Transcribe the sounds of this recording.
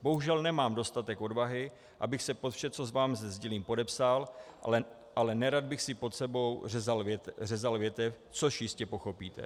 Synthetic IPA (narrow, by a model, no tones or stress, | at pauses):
bo̞ɦuʒɛlnɛmaːmdo̞st̪at̪ɛko̞dvaɦɪ | ʔabɪxsɛpo̞t̪fʃɛt͡so̞zvaːmzɛzɟɪliːmpo̞dɛpsal | ʔalɛnɛɾad̪̚bɪxsɪpo̞t̪sɛbo̞wɛzalɛrɛzalvjɛt̪ɛf | t͡so̞ʃjɪscɛpo̞xo̞piːt̪ɛ̰